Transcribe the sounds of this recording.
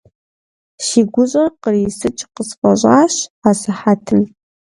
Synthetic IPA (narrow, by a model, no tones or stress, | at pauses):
ʃiːɡʷʊɕʼɐrqəriːsɨt͡ʃʼqəsfʼɐɕʷʼaːɕasɨħatʰɨm